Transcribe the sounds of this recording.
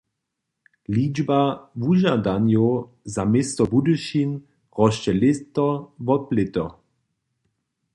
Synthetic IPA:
liːd͡ʒbavuʒadanjo | zamɪst̪ɔbuduʃin | ʁɔʃt͡ʃɛlɪt̪ɔvɔplɪt̪ɔ

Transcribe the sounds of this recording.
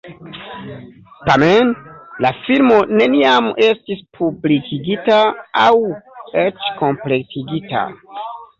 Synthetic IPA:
tamenlafilmo̞ne̞niame̞stispʰublikiɡitaawe̞t͡ʃko̞mple̞k̚tʰiɡita̰

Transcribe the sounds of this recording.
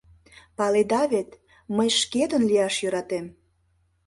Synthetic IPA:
pɑled̪ɑvet̪ | məjʃket̪ənliɑʃjø̆ɾɑt̪em

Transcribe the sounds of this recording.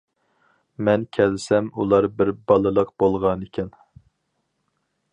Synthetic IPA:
mɛnkʲʰɛlɪsɛmulˠɑɾbɪɾbɑlˠɨlˠəqb̥olˠʁɑnekʲʰɛn

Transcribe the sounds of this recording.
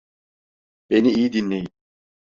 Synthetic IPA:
be̞niijid̪inlʲejin

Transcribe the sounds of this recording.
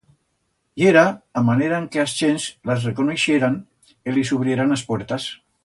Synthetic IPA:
jeɾaːmaneɾaeŋkeast͡ʃenzlazrekoneʃeɾan | ilisuβ̞ɾieɾanaspwɛɾt̪as

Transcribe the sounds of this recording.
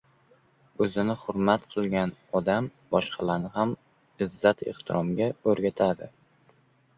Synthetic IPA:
ɵzɪnɪχʊɾmat̪qʰɨlˠɡʲanɒd̪am | bɒʃqʰɑlaɾnɪɦam | ɪzːat̪ḛχt̪ʰɪɾʔɒmɡʲaɵɾɡʲat̪ʰad̪ɪ

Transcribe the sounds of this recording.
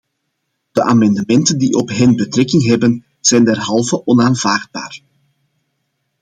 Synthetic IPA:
d̥əʔaːmɑndəmɛntəndiʔɔpɦɛnbətɾɛkɪŋɦɛbən | z̥ɛjndɛrɦɑlˠvəʔɔnaːnvaːrd̚ba̰ːr

